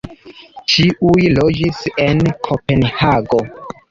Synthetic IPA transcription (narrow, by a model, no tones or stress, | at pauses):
t͡ʃiʔujlo̞d͡ʒise̞nkʰope̞nhaɡo̞